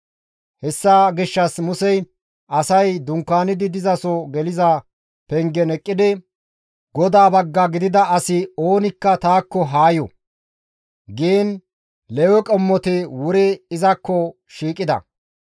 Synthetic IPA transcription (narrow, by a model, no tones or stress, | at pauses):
hɛsːɐɡɪʃːɐsmʊsɛj | ʔɐsɐjd̪ʊŋkːaːnɪd̪ɪd̪ɪzɐsɔɡɛlɪzɐ | pɛŋɡɛnɛkʼːɪd̪ɪ | ɡɔd̪aːbɐɡːɐɡɪd̪ɪd̪ɐɐsɪoːnɪkːɐt̪aːkːɔɦaːjɔ̰ | ɡeːn | lɛwɛkʼɔmːɔt̪ɪwʊɾɛɪzɐkːɔ | ʃiːkʼɪd̪ɐ̰